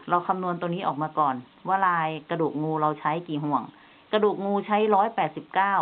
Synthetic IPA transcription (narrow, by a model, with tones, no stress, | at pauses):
ɾa˧wkʰa˧mnu˧ənt̪o˧ŋniː˦˥ʔɔː˨˩k̚maː˧kɔː˨˩n | waː˧˥˩laː˧jka˧duː˨˩k̚ŋuː˧ɾa˧wt͡ɕʰa˦˥jkiː˨˩ɦu˨˩əŋ | ka˧duː˨˩k̚ŋuː˧t͡ɕʰa˦˥jɾɔː˦˥jpɛː˨˩t̪̚si˨˩p̚kaː˥˩w